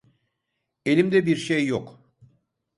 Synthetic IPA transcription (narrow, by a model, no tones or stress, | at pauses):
e̞lʲimd̪ɛbiɾʃejːok